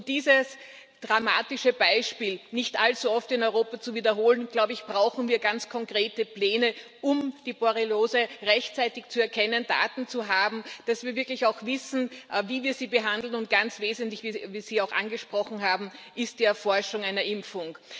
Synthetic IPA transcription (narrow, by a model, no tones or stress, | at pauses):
ʊt̚d̥iːzəs | d̥ʁama̰ːtɪʃəbaɪʃpiːlnɪçtʔalt͡suɔftɪnɔʏʁoːpɐt͡suviːdɐɦoːlənɡ̥laʊbəɪçb̥ʁaʊxn̩viːɐɡant͡skʰɔŋkʁ̥eːtəplɛːnə | ʔʊmd̥iːboɐʁiloːzəʁɛçt͡saɪtɪçt͡suɛɐkʰɛnənda̰ːtn̩t͡suɦaːbm̩d̥asv̥iːɐvɪɐklɪçaʊxv̥ɪsn̩viːviːɐziːbəɦandl̩nʊnt̚ɡ̥ant͡sv̥eːzəntlɪçviviːz̥iːaʊxʔa̰nɡəʃpʁ̥ɔxn̩ɦaːbm̩ʔɪst̚d̥iːɛɐfɔɐʃʊŋaɪnɐʔɪmfʊŋ